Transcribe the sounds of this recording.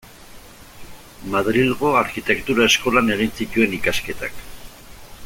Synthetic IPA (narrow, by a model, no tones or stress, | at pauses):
maðɾilɣo̞aɾkit̪e̞kt̪uɾae̞sko̞lane̞ɣ̞insit̪ue̞nikaske̞t̪a̰k